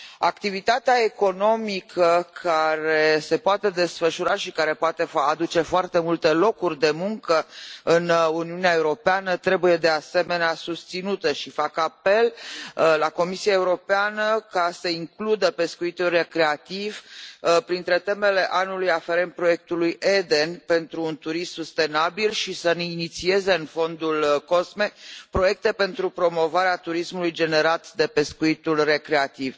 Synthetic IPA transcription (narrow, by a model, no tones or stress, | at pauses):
akt̪ivit̪at̪eae̞ko̞no̞mikʰəkʰaɾe̞se̞poat̪e̞d̪e̞sfəʃuɾaʃikaɾe̞poat̪e̞fad̪ut͡ʃe̞foart̪e̞mult̪e̞lo̞kurʲd̪e̞muŋkəɨnuniuneae̞uɾo̞peanət̪ɾe̞buje̞d̪e̞ase̞me̞neasust̪sinut̪əʃifakape̞llako̞misiaeuɾo̞peanəkasəiŋklud̪əpe̞skuit̪ulre̞kɾe̞at̪ivpɾint̪ɾe̞t̪e̞me̞le̞ʔanulujafeɾen̚pɾo̞je̞k̚t̪ulujʔed̪e̞npe̞nt̪ɾuːnt̪uɾissust̪e̞nabilʃisəninit̪sie̞ze̞ɨnfo̞nd̪ulko̞sme̞pɾo̞je̞k̚t̪e̞pe̞nt̪ɾupɾo̞mo̞vaɾeat̪uɾismulujd͡ʒe̞ne̞ɾat̪d̪e̞pe̞skuit̪ulre̞kɾe̞at̪iv̥